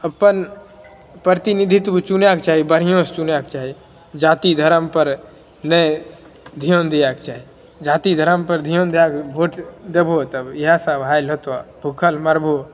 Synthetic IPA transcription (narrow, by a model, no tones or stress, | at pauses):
əpən | pɾət̪inid̪ʱit̪but͡ʃunjaːk̚t͡ʃaːɦibəɾijõːst͡ʃunjaːkt͡ʃaːɦi | d͡ʒaːt̪id̪ʱəɾəmpəɾ | nəj | d̪ʱijoːnd̪ijaːkt͡ʃaːɦi | d͡ʒaːt̪id̪ʱəɾəmpəɾd̪ʱijond̪ijaːkbʱoːʈd̪ebʱoːt̪ɐbɪɦasaʋɦaːjlɦot̪abʱukʰəlmɐɾbʱo